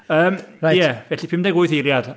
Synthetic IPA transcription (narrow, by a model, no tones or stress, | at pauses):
əːmajjɛvɛɬipʰɪmdɛɡʊɨθeɾjad̥